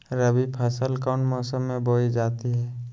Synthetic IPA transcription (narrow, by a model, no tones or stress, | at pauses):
ɾəbipʰəsəlkaːɳʈmɔːsəmːẽboːid͡ʒaːt̪iɦɛː